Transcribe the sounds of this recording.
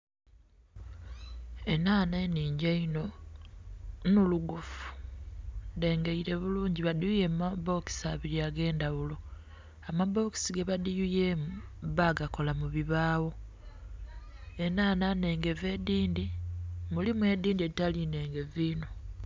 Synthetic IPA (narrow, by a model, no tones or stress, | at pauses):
e̞naːne̞niːɲɟaino̞ | nuluɡufu̥ | nde̞ːŋɡeiɾe̞βuluːɲɟiβadijujemaβo̞ki̥saβiɾiaɡe̞ːndaβulo̞ | amaβo̞ki̥siɡeβadijujeβaɡako̞lamuβiβaːwo̞ | e̞naːnane̞ːŋɡe̞vediːndimulimwe̞d̪iːndieitaline̞ːŋɡe̞viːno̞